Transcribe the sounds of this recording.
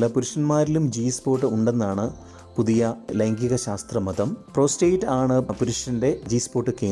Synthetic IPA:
lɐpuɾuʂɐnmaːɾilumd͡ʑiːspo̞ːʈːɨuɳɖe̞nːaːɳɨ | puðijɐlɐjŋɡiɣɐɕaːst̪rɐmɐd̪ɐmpro̞ːstejtːaːɳɨpuɾuʂɐnde̞d͡ʑiːspo̞ːʈːɨkeː

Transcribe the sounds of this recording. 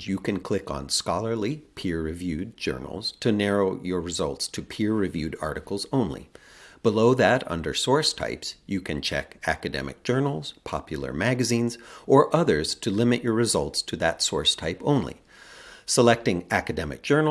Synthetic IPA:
jɨkʰɨ̃nkʰl̥ɪkn̩skɑlˠə˞lipʰɪɹːɨvjʉd̚d͡ʒɜ̰˞nl̩ˠz̥tʰɨnɛɹoʊjə˞ɹɨzʌ̰lˠtstʰɨpʰɪɹɹɨvjʉɾɑ̰ɹɾɨkl̩ˠzõʊ̃nlḭb̥əloʊðɨɾʌ̰̃ndə̰˞sɔɹstʰa̰ɪpsjɨkʰɨ̃nt͡ʃʰɛ̰kæ̰kɨdɛ̰mɨ̰k̚d̥ʒ̥ɜ˞nl̩ˠz̥pʰɑ̰pjl̩ˠə̰˞mæɡɨzĩnzʔə˞ʔʌðə˞z̥tʰɨlɪ̃mɨt͡ʃə˞ɹɨzʌ̰lˠtstʰɨðɨtsɔɹstʰaɪpõʊ̃nlḭ | səlɛk̚tɪ̃ŋækɨdɛmɨ̰k̚d̥ʒ̥ɜ˞n

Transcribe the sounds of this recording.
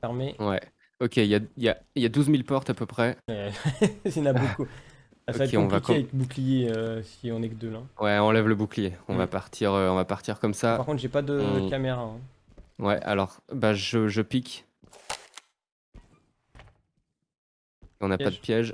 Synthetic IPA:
fɛʁmewɛ | ɔkʲeiljailjailjad̪uzmilpɔʁt̪apøpχɛɛsĩnaboku | asɔaɛkeɔ̃vvaikavɛkbuklijeøsiɔ̃nɛkd̪əlɛ̃wɛɑ̃lɛvləbuklijeɔ̃vapaʁt̪ʰiʁøɔ̃vapaʁt̪iʁkɔmsapaʁkɔ̃t̪ʒepad̪əkʲameʁaɛ̃ | wɛ̰ʔa̰lɔʁbaʒəʒəpikʲ | eɔ̃napad̪əpjɛʒ

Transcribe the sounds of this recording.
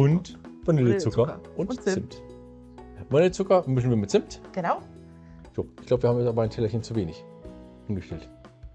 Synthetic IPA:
ʊntvanɪlət͡sʊkkɐʔʊnɪmt | vanɪlət͡sʊkɐmʏç̬n̩viːɐmɪtt͡sɪmtɡ̥ənaʊ | z̥oːʔɪç̥labəviːɐhaːmjɛt͡saːbɐaɪntʰɛlɐçənt͡suveːnɪç | ʔɪnɡəʃtɛlt

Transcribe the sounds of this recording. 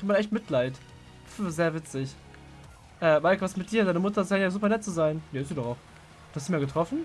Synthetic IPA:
uːmanʔɛçtmɪtʰlaɪt | fzeːɐvɪt͡sɪç | ʔɛːmaɪkvastmɪt̚d̥iːɐdaɪnəmʊtɐzanjazuːpɐnɛt̚t͡suzaɪnjaɪstd̥uːdɔχaʊx | uːhastd̥umiaɐɡətʁ̥ɔfn̩

